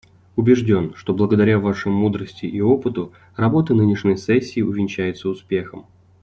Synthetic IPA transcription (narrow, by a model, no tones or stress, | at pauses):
ʊbʲɪʐdʲo̞nʂt̪o̞blˠəɡəd̪ɐɾʲavaʂɨmud̪ɾəsʲtʲɪʔio̞pɨt̪ʊ | rɐbo̞t̪ənɨnʲɪʂnʲəjsɛsʲːiːʊvʲɪnʲt͡ɕæjɪt̪səʊspʲe̞xəm